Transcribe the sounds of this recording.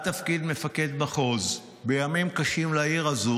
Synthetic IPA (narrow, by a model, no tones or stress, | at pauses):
t̪afkid̪me̞fake̞d̪baχo̞z | be̞jamimkaʃimlaiʁazu